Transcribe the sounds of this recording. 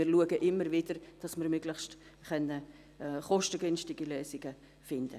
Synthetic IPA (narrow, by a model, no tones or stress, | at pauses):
ɪɾluəɡəʔɪmːəɾvɪd̥əɾd̥ɑsmɪɾmʏɡ̥ləχst | χœnːə | χɔʃtəɡ̥yːnstɪɡiløːsɪɡ̥ə | fɪnd̥ə̰